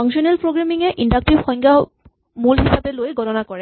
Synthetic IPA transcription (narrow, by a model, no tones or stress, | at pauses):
aŋsɔnɛlpɹoɡɹamiŋɛʔindak̚tibxɔŋɡa | mulɦisabɛlojɡʱɔtɔnakɔɹɛ